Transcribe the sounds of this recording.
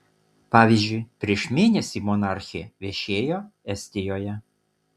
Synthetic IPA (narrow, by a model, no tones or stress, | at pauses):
pɑːʋʲizʲd͡ʒʲʊɪpʲɾʲiɛʃmʲeːnʲɛsʲimɔnɑˑɾʲxʲɪɛʋʲɛʃʲeːjoːɛsʲt̪ʲɪjoːjɛ